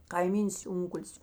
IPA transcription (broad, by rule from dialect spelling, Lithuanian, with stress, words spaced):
kɐɪˈmʲiːns ˈʊŋkʊlʲɪs